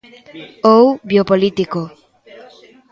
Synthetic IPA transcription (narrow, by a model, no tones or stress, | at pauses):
owbjopolit̪iko